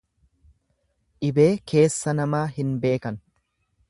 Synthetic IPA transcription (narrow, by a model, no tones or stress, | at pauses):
ʔɪbe̞ːke̞ːsːɐnɐmaːhɪnbe̞ːkɐn